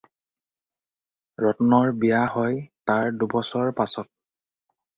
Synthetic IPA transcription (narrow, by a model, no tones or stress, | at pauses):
ɹɔtɔnɔɹbijaɦɔjtaɹdubɔsɔɹpasɔt̚